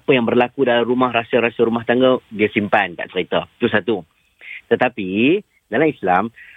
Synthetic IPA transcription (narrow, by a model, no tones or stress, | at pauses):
apəjaŋbərlakudalamɾumahɦɾasəɾasəɾumaht̪aŋɡədiasimpanka̰ʔt͡ʃəɾit̪at̪usat̪u | t̪ət̪api | dalamislam